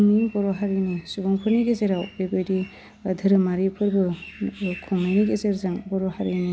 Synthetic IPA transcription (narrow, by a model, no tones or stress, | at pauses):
mibɔɾɔɦaɾinisubɔŋpʰɯɾniɡezeɾawbebɯjdi | ɯdʱɯɾɯmaɾipʰɯɾbɯ | kʰɔŋnajniɡezeɾzaŋbɔɾɔhaɾini